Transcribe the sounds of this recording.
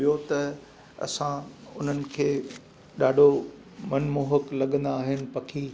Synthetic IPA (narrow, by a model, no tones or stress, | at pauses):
ijot̪ɐ | ɐ̰sãʊn̤ənɪ̆kʰeː | ɗaːɖʱo | mɐnmoːɦəklɐɠə̃nd̪aːɦɪnɪ̆pɐkʰiː